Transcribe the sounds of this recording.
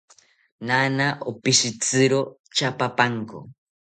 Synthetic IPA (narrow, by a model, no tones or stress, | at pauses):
nanaʔopisit͡sɨɾo | t͡ʃapapaŋko̰